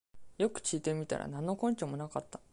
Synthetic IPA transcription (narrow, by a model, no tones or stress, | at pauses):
jo̞kɯ̟̥t͡ɕiːt̪e̞mʲit̪a̰ɾa̰nãnːo̞kõ̞ɲ̟t͡ɕomo̞nakat̪ːa